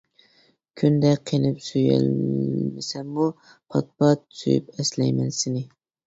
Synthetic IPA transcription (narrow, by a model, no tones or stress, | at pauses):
kʲʰynd̪ɛqʰenɪpsyjɛ̰lmɪsɛmːu | pʰɑt̪̚pɑt̪sy̰jy̰pɛslɛjmɛnsɪnɪ